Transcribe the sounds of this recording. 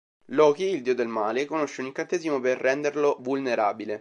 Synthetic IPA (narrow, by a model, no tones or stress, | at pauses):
lɔːkiːld̪iːod̪elmaːlekonoʃːeuniŋkant̪eːzimoperːɛnd̪erlovulneɾaːbile